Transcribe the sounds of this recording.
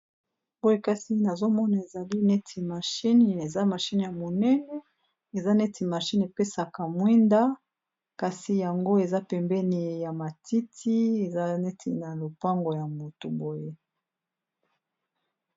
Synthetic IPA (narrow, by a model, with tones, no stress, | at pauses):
bo˦je˦ka˦si˦na˨zo˦mɔ˦na˨e˨za˨li˦nɛ˦tʰi˨ma˨ʃi˦ni˨e˨za˦ma˨ʃi˦n˨ja˨mo˨nɛ˦nɛ˦ | e˨za˦nɛ˦tʰi˨ma˨ʃi˦n˨e˨pe˦sa˨ka˨mwi˦nda˦ | ka˨si˨ja˨ŋɡo˦e˨za˦pɛ˨mbɛ˦ni˨ja˨ma˨ti˦tʰi˦e˨za˦nɛ˦tʰḭ˨na˨lo˨pa˦ŋɡo˨ja˨mo˨tu˨bo˦je˦